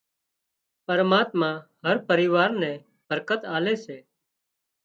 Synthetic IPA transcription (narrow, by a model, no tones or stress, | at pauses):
pəɾmaːt̪mãːhəɾpəɾɪʋaːɾnɛ̃ː | bʱəɾkət̪aːleːseː